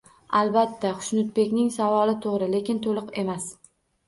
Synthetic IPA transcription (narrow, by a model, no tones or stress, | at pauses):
alˠbat̪ʰːaχʊ̥ʃnʊt̪̚be̞kʲnɪŋsavɒlɪt̪ʰoʁɾɪle̞kʲɪnt̪ʰolˠɨqe̞mas